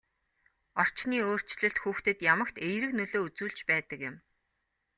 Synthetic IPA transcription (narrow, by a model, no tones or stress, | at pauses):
ɔr̥t͡ɕniːoːr̥t͡ɕɮɵ̆ɬt̪xuːxt̪ɘ̆t̪jamə̆kt̪ejɾɘ̆knɵɮoːut͡suːɮt͡ɕpæːt̪ə̆kjɪ̆m